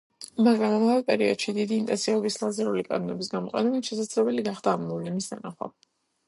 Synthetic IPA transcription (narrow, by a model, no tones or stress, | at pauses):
maɡɾamamavɛlpʼɛɾiɔ̰d̪ʃid̪id̪iːnt̪ʼɛ̰nsiaɔbislˠazɛɾulikʼa̰nɔnɛbisɡamɔqʼɛnɛbɛnʃɛs̬ad̪zɾɛbɛliɡaχd̪aːmːɔvlimisd̪a̰naχwa̰